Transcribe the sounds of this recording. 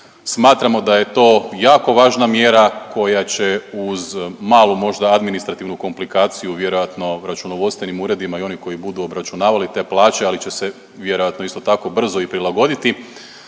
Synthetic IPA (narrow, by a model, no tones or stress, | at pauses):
smaːt̪ɾamo̞d̪aje̞t̪o̞ːjaːko̞ʋaːʒnamje̞ːɾakʰo̞jat͡ɕe̞uzmaːlˠumo̞ʒd̪aad̪minist̪ɾat̪iʋnuko̞mplikaːt̪sijuʋje̞ɾo̞jat̪no̞ɾat͡ʃunoʋo̞st̪ʋenimuːɾe̞d̪imaio̞niko̞jibud̪uobɾat͡ʃunaːʋalit̪e̞ːplˠaːt͡ɕe̞alit͡ɕe̞se | ʋje̞ɾo̞jat̪no̞ist̪o̞t̪ako̞br̩zo̞ipɾilˠaɡo̞d̪it̪i